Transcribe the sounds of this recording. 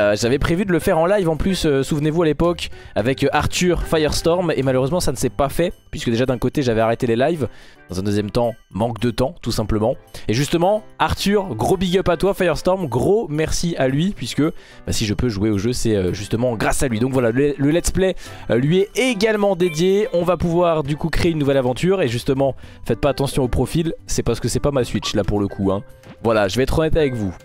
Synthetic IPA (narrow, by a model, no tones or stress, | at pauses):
øʒavɛpχevyd̪ələfɛʁɑ̃lajvɑ̃plysøsuvnevualepɔk | avɛkʔaʁt̪yʁfajœʁst̪ɔʁmemaløʁøzmɑ̃sanəsɛpafɛpɥiskəd̪eʒad̪ɛ̃kot̪eʒavɛaʁet̪elelajvd̪̥ɑ̃zɛ̃d̪əzjɛmt̪ɑ̃mɑ̃kd̪ət̪ɑ̃t̪usɛ̃pləmɑ̃eʒyst̪əmɑ̃aʁt̪yʁɡʁobiɡʲœpat̪wafajœʁst̪ɔʁmɡʁomɛʁsialɥipɥiskə | basiʒəpøʒweoʒøsɛøʒyst̪əmɑ̃ɡʁasalɥid̪ɔ̃kvwalalələlɛt̪splɛlɥiɛeɡalmɑ̃d̪ed̪jeɔ̃vapuvwaʁd̪ykukχeynːuvɛlavɑ̃t̪ʰyʁeʒyst̪əmɑ̃ | fɛt̪̚paːt̪ɑ̃sjɔ̃opχɔfilsɛpaʁsə̥kəsɛpamasɥit͡ʃlapuʁləkʰuɛ̃vwalaʒəvɛɛt̪χɔnɛt̪avɛkvu